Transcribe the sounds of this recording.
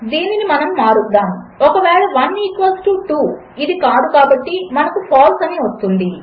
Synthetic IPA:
d̪iːninimɐnɐmːaːɾud̪ːaːm | ɔkɐʋɛːɭɐʋɐniːkʋɐlsʈuʈu | id̪ikaːd̪ukaːbɐʈːimɐnɐkupʰaːlsɐniːʋɐst̪und̪i

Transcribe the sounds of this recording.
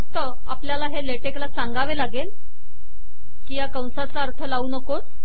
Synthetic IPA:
fək̚t̪ə | apljalaɦeleʈeklasãŋɡaʋelaɡel | kiːjakaw̃sat͡saːɾt̪ʰəlauːnəko

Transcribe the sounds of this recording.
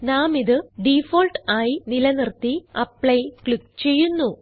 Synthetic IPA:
naːmiðɨɖifoːlʈaːjinilɐnirt̪ːiɐpɭɐjkɭikt͡ɕe̞jːunːu

